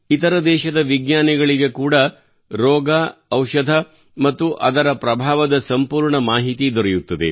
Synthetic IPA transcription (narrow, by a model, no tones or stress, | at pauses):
it̪ɐɾɐd̪ɛːʃɐd̪ɐʋiɡɲaːniɡɐɭiɡe̞kuːɽɐ | ɾɔːɡaɐwʃɐd̪ʱɐ | mɐt̪ːuʔɐd̪ɐɾɐpɾɐbʱaːʋɐd̪ɐsɐmpuːɾɳɐmaːɦit̪id̪ɔɾejut̪ːɐd̪e̞̰